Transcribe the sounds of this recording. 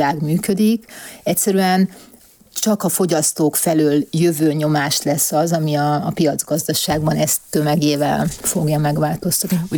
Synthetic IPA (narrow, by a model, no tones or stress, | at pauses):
aːɡmyːkø̞d̪ikɛcʲsɛɾyɛn | t͡ʃɒkɒfo̞ɟɒst̪oːkfɛløːljø̞vøːɲo̞maːʃlɛsːɒzɒmiɒːpijɒd̪zɡɒzd̪ɒʃaːɡbɒnɛst̪ːø̞mɛɡeːvɛ̰lfo̞ɡjɒmɛɡʋaːlt̪o̞st̪ɒt̪ni